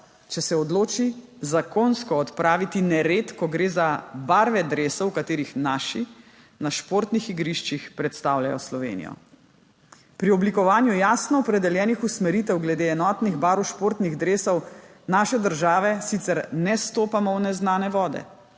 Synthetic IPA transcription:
t͡ʃɛsɛɔd̪loːt͡ʃi | zakonskɔːt̪pɾaːʋit̪inɛɾet̪kɔɡɾeːzabaɾʋɛd̪ɾeːsɛwkat̪eːɾixnaːʃi | naʃpoɾt̪nixiɡɾiʃt͡ʃixpɾɛt̪st̪awlja̰jɔ̰slɔʋḛnḭjɔ̰ | pɾiɔblikɔʋaːnjujaːsnɔɔpɾɛd̪ɛljɛːnixusmɛɾiːt̪ɛwɡlɛd̪eɛnɔːt̪niɣbaɾuwʃpoːɾt̪niɣd̪ɾeːsɔw | naːʃɛd̪əɾʒaːʋɛsit̪sɛɾnɛst̪oːpamɔwnɛznaːnɛʋɔːd̪ɛ̰

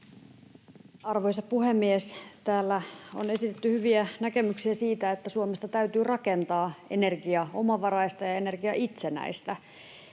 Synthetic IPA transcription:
ɑrʋojsɑpuhemːiest̪æːlːæo̰ne̞sit̪et̪ːyhyʋiænæke̞myksiæsiːt̪æet̪ːæsuomest̪ɑt̪æyt̪yːrɑke̞nt̪ɑːe̞̰ne̞rɡiɑo̞̰mɑʋɑrɑist̪ɑjɑe̞ne̞rɡiɑʔit̪senæ̰ist̪æ

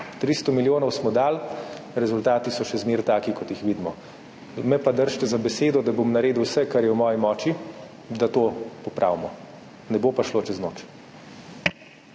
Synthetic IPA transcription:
t̪ɾist̪ɔmiljoːnɔwsmɔd̪aːlɾɛzult̪aːt̪isɔʃɛzmeːɾt̪aːkikɔt̪jixʋid̪mɔ | mɛpad̪əɾʃt̪ɛzabɛseːd̪ɔd̪abomnaɾeːd̪uwsɛkaɾjɛwmɔːjimɔːt͡ʃi | d̪at̪oːpɔpɾʔa̰ːwmɔ | nɛbopaʃlot͡ʃɛznoːt͡ʃ

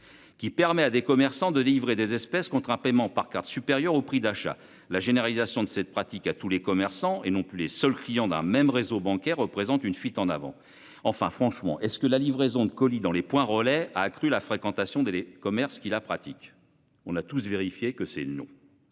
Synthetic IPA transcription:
kʲipɛʁmɛad̪ekɔmɛʁsɑ̃d̪əleivʁed̪ezɛspɛskɔ̃t̪χɛ̃pɛmɑ̃paʁkaʁt̪sypeʁjœʁopχid̪aʃa̰ | laʒeneʁalizasjɔ̃d̪əsɛt̪̚pχat̪ikat̪ulekɔmɛʁsɑ̃enɔ̃plylesœlklijɑ̃d̪ɛ̰̃mɛmʁezobɑ̃kʲɛʁːəpχezɑ̃t̪ynfɥit̪ɑ̃navɑ̰̃ | ɑ̃fɛ̃fχɑ̃ʃmɑ̰̃ʔɛskəlalivʁezɔ̃d̪əkɔlid̪ɑ̃lepwɛ̃ʁəlɛa̰ːkχylafχekɑ̃t̪asjɔ̃d̪eekɔmɛʁskʲilapχat̪ik | ɔ̃nat̪usveʁifjekəsɛ̰nɔ̰̃

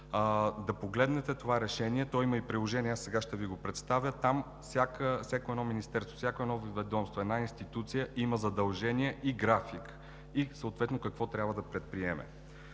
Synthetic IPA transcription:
d̪ɐpoɡlɛd̪nɛt̪ɛt̪ovaɾɛʃɛniɛt̪ɔiməipɾilˠoʒɛniɛasɛɡaʃt̪ɛviɡopɾɛt̪st̪avʲjət̪am | fsʲakəfsʲakoɛd̪nɔminist̪ɛɾst̪o̥fsʲjakoɛd̪ɔvvɛd̪ɔmst̪voɛd̪nainst̪it̪ut̪sijəʔiməzɐd̪ɐlˠʒɛniɛʔiɡɾafik | isəoːt̪vɛt̪nokɐkvɔt̪ɾʲabvəd̪ɐpɾɛt̪̚pɾiɛmɛ̰

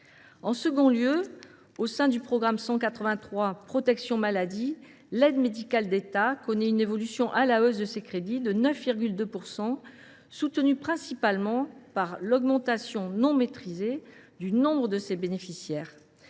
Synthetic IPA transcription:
ɑ̃səɡɔ̃ljø | osɛ̃d̪ypχɔɡʁamsɑ̃kat̪χəvɛ̃t̪χwapχɔt̪ɛksjɔ̃malad̪i | lɛd̪med̪ikald̪et̪akɔnɛynevɔlysjɔ̃ʔalaøzd̪əsekχed̪id̪ənœfviʁɡʲyld̪øpuʁsɑ̃ | sut̪ənypχɛ̃sipalmɑ̃paʁlɔɡmɑ̃t̪asjɔ̃nɔ̃met̪χized̪ynɔ̃bʁəd̪əsebenefisjɛːʁ

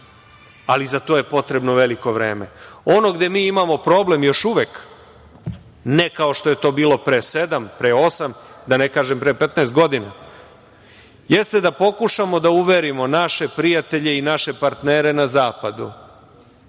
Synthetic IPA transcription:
alizat̪o̞ːje̞po̞t̪ɾe̞bno̞ʋe̞liko̞ʋɾḛːmḛo̞no̞ɡd̪e̞miːimamo̞pɾo̞ːble̞mjo̞ʃuʋek | ne̞kao̞ʃt̪o̞je̞t̪o̞ːbiːlo̞pɾesed̪ampɾeo̞samd̪ane̞kaːʒempɾepet̪naːst̪̚ɡo̞d̪ina̰ | je̞st̪e̞d̪apo̞kuʃamo̞d̪auʋeɾimo̞naʃe̞pɾijat̪e̞ʎe̞inaʃe̞paɾt̪neːɾe̞nazaːpad̪ṵ

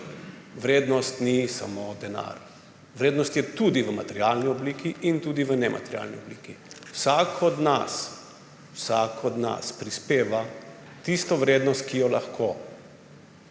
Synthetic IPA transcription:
ʋɾeːd̪nɔst̪nisa̰moːd̪ɛna̰ɾ | ʋɾeːd̪nɔst̪jɛt̪ud̪iʋəmat̪ɛɾjalniɔbliːkʰiʔint̪uːd̪iʋənɛmʔa̰t̪ɛɾʲja̰ːlnḭɔbliːkiwsakɔd̪na̰s | wsakɔd̪na̰spɾispeːʋa | t̪ist̪ɔʋɾeːd̪nɔst̪̚kijɔla̰xkʰo

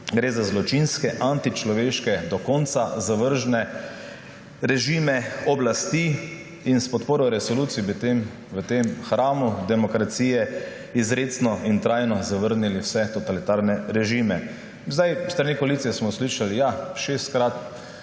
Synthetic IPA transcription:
ɡɾeːzazlɔt͡ʃinskɛʔant̪it͡ʃlɔʋeːʃkɛd̪ɔkɔnt̪sazaʋəɾʒnɛ | ɾɛʒiːmɛɔblast̪i | inspɔt̪poːɾɔɾɛsɔluːt̪sijbit̪em | ʋət̪emxɾaːmud̪ɛmɔkɾat̪siːjɛ | izɾeːt̪snɔint̪ɾaːjnɔzaʋəɾniliwsɛt̪ɔt̪alit̪aɾnɛɾɛʒiːmɛ | zd̪ajst̪ɾanikɔaliːt̪sijɛsmɔsliːʃalijaʃeːst̪̚kɾat̪

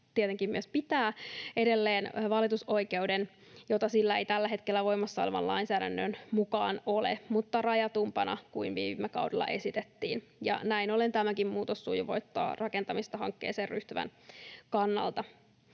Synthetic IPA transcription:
t̪iet̪eŋkimmyøspit̪æːede̞lːeːnʋɑlit̪uso̞ike̞wden | jot̪ɑsilːæejt̪ælːæɦe̞t̪kelːæʋo̞imːɑsːɑoleʋɑ̰lɑ̰insæːdænːø̰nmukɑ̰ːnolḛmut̪ːɑrɑjɑt̪umpɑnɑ̰kuinʋiːmːekɑ̰wdelːɑ̰ʔe̞sit̪et̪ːiːn | jɑ̰næinolent̪æmækimmuːt̪osːuːjɑʋo̞̰it̪ːɑ̰ːrɑkent̪ɑmist̪ɑhɑ̰ŋkːeːseːrryht̪yʋæ̰nkɑnːɑ̰lt̪ɑ

